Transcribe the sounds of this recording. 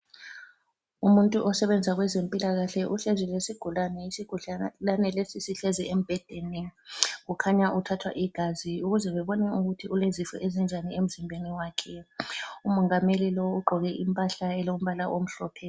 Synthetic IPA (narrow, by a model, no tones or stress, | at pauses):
umuntʼuʔɔsɛβɛnd͡zʱaɣwɛzempʼilaɣaɬɛʔuɬɛzɛlesiɡ̥ʱulanɛisiɡ̥ʱulanɛlesisiɬɛzɛem̩b̥ʱɛd̥ʱeniɣukʰaɲaʔutʰatʰwa̰ʔiɡ̥ʱaziuɣuzɛβɛβɔnɛuɣutʰiʔulezifɔ̰ʔezind͡ʒʱaniem̩zimbʱeniwaːkʰɛumɔŋamelilɔwuɡ͡ǃʱɔɣɛʔimpʼaɬaɛlom̩βalaʔom̩ɬɔːpʰɛ